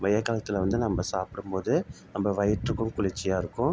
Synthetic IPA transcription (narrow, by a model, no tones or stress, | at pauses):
ʋɐjɐkːaːlɐt̪ːɪlʋɐnd̪ɯnɐmbɐsaːpɪɽɯmpoːðɯnɐmbɐʋɐjɐʈɾɯkːɯmkʊɭɪt͡ʃːɪjaːɪɾɯkːʊ̃